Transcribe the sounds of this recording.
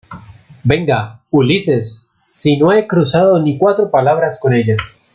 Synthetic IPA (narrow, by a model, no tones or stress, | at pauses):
be̞ŋɡaulise̞sː | ino̞ekɾusaðo̞nikwat̪ɾopalaβ̞ɾasko̞ne̞ʎa